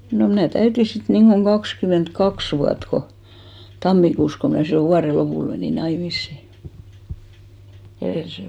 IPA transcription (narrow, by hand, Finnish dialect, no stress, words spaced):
no mnæˑ tæyti sit niŋɡ̊oŋ ɡ̊ɑkskymentkɑks ʋuɑt ko tɑmːikuːs ko mnæˑ silːo ʋuɑre lopuˑl meniˑ nɑimisːi ereˑlisen